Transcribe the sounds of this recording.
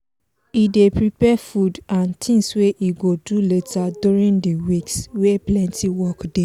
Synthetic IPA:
idepɹipɛfudãntʰĩŋsweʔiɡoduletʰaduɹĩndiwiksweplɛ̃ntʰiwɔkde

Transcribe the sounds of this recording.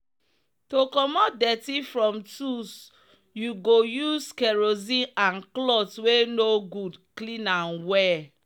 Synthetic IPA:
tokɔmɔt̚dɛtifɹɔ̃mtus | juɡojuskɛɹozĩãnklɔtwenoɡudklĩnãnwɛ

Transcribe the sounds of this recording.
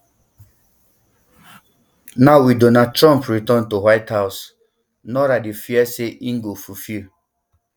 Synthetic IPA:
naʊwidɔnatɹɔ̃mpɹitɔ̃ntuwaɪthaws | nɔɾadefiɛseʔiŋ̩ɡofufil

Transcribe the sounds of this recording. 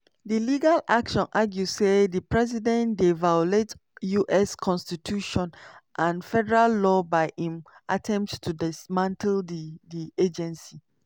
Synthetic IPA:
diliɡalakʃɔ̃nʔaɡjusedəpɹɛzidɛ̃ndevajolet | juʔɛskʰɔ̃nstitʰuʃɔ̃nʔãnfɛdɛɹalːɔbaɪĩmʔatʰɛ̃mp̚ttʰudismãntʰldidied͡ʒɛ̃nsi

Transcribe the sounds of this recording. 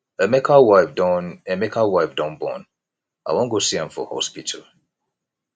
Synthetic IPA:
emɛkʰawaɪfdɔnemɛkʰawaɪfdɔ̃nbɔ̰̃n | a̰ɪwɔ̃nɡosiãɱfɔ̰hɔ̰spitʰə̰l

